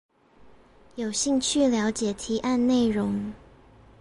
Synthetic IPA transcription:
jo˨˩ʊɕi˥˧ŋt͡ɕʰy˥˨ljɑ˧˥ʊt͡ɕjɛ˨˩t̪ʰi˧˥ʔa˥˧nne˥˩ɪɻʊ˧˦ŋ

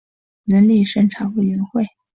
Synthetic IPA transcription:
nə˧˥nli˥˩ʂə˥˩ŋʈ͡ʂʰɑ˨˩ŋwu˥˩ɥɛ˧˥nxwe˥˩ɪ

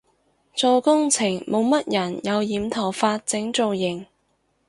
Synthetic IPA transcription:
t͡sɔː˨˧kʊ˥ŋt͡sʰɪ˨˩ŋmʔo˨˧wmɐ˥t̚jɐ˨˩njɐ˨˧wjiː˨˧mt̪ʰɐ˨˩wfaː˧t̚t͡sɪ˨˥ŋt͡so˨wjɪ˨˩ŋ

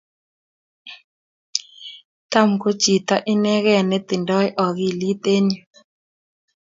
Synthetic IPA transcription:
t̪a˦˨m̩˨ko˦t͡ʃi˨t̪a˦ʔɪ˦nɛ˦ɣɛ˦˨nɛ˦t̪ɪ˨ndɔ˦ɛ˦ʔɔ˨ɣi˨li˦t̪e˦ɲi˦˨

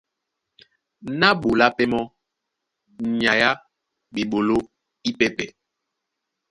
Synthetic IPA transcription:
na˦ɓo˨la˦pe˦mɔ˦ | ɲa˨ja˦ | ɓi˨ɓo˨lo˦ | i˦pe˦pɛ˨

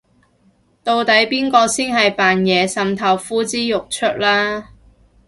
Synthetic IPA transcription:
t̪o˧wt̪ɐ˨˥jpiː˥nkɔː˧siː˥nɦɐ˨jpaː˨njɛː˨˧sɐ˨˧mt̪ʰɐ˨˩wfuː˥t͡siː˥jʊ˨k̚t͡ʃʰɵ˥t̚laː˥

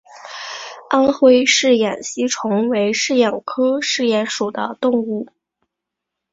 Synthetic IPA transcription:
a˥nxwe˥ɪʂɻ̩˥˩jɛ˨˩nɕi˥ʈ͡ʂʰʊ˧˥ŋwe˧˥ɪʂɻ̩˥˩jɑ˨˩ŋkʰɤ˥ʂɻ̩˥˧jɛ˧˥nʂu˨˩d̪ə̰˦t̪ʊ˥˧ŋu˥˩

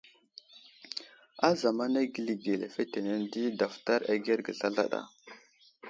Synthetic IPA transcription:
a˦za˨ma˦na˦ɡi˦li˨ɡe˨le˨fe˦te˨ne˦ndi˦da˨fta˦ɾa˦ɡe˦ɾɡə˨ɬa˦ɮa̰˦ɗa̰˨

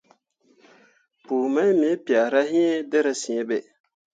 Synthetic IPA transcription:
puː˨ma˦mi˨˦pi˨a˨ɾa˦ɦi˦dɪ˦ɾɪ˨sĩ˨ɛ˦bɛ˨

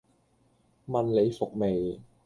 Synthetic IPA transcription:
ma˧nle˨˦˥fo˨˩k̚me˨˩

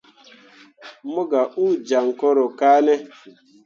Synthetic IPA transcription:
mʊ˦ɡa˨ʔu˦d͡ʒa˨ŋ̩˨kɔ˦ɾʊ˨kaː˦ne˦

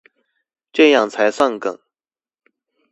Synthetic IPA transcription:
ʈ͡ʂɤ˥˧jɑ˥˩ŋt͡sʰa˧˥ɪsɑ˥˩ŋkɤ̰˨˩ŋ

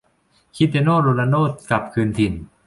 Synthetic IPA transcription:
kʰi˦˥t̪e˧noː˥˩ɾo˧na˧noː˥˨t̪̚ka˨˩p̚kʰɯː˧nt̪ʰi˨˩n

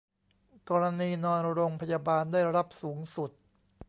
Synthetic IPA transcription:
kɔː˧ɾa˧niː˧nɔː˧nɾo˧ŋpʰa˧jaː˧baː˧ndaː˥˩jɾa˦˥˩p̚suː˩˦ŋsu˨˩t̪̚

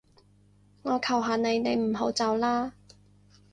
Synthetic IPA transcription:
ŋɔː˨˧kʰɐ˨˩wɦaː˨ne˨˧jne˨˧jm̩˨˩ɦo˨˥wt͡sɐ˨˧wlaː˥

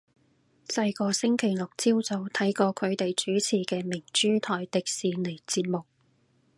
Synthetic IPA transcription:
sɐ˧jkɔː˧sɪ˥ŋkʰe˨˩jlʊ˨k̚t͡siː˥wt͡so˨˧wt̪ʰɐ˨˥jkɔː˧kʰɵ˨˧t̪e˨jt͡ʃyː˨˥t͡sʰiː˨˩kɛː˧mɪ˨˩ŋt͡ʃyː˥t̪ʰɔː˨jt̪ɪ˨k̚siː˨˧ne˨˩t͡siː˧t̚mʊ˨k̚

